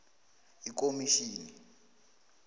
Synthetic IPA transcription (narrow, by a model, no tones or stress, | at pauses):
ik̬omiʃiːni